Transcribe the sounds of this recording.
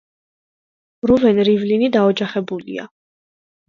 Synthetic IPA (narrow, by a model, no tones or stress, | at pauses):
ɾuvɛnɾivlinid̪aɔd͡ʒaχɛbulḭa̰